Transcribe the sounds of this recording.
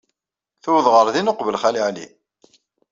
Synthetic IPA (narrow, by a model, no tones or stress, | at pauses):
θuwðˤʁəɾˤðinoqvəlχæliʕlḭ